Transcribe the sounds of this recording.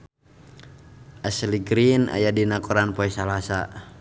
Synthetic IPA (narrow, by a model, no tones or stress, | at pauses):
ʔasliɡɾina̰jadinakɔɾanpɔɛsalasa